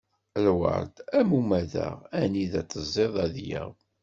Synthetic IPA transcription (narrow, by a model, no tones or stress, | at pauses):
lwə̰ɾˤd̪æmumæðæ̰ʁæniðæt͡sːəzˤːeðˤæðjə̰ʁ